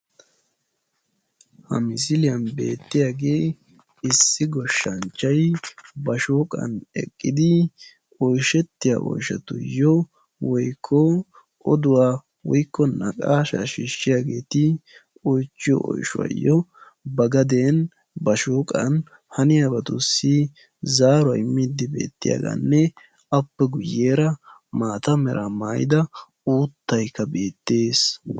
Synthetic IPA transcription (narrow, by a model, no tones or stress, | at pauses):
hɐ̰mɪs̬ɪlɪjɐnbe̞̰ːt̪ːɪjaːɡe̞ː | ɪsːɪɡɔʃːɐnt͡ʃːɐjbɐʃoːkʼɐ̰nɛ̰kʼːɪd̪ɪ | ɔjʃɛt̪ːɪja̰ʔɔ̰jʃɐt̪ʊjːɔ | wɔjkʰːɔ | ʔɔd̪ʊwaː | wɔjkːɔnɐkʼaːʃa̰ʃiːʃːɪjaːɡe̞ːt̪ɪ | ɔjt͡ʃːɪjɔ̰ʔɔ̰jʃʊ̰ɐ̰jːɔ | bɐɡɐd̪eːn | bɐʃuːkʼɐn | hɐnɪjabɐt̪ʊsːi | zaːɾʊɐ̰jmːɪd̪ɪbe̞̰ːt̪ːɪ̰ja̰ːɡa̰nːɛ | ɐpːɛɡʊjːeːɾɐmaːt̪ɐmɛɾɐmaːjɪ̰d̪ɐ | uːt̪ːɐjkːɐbe̞ːt̪ːeːs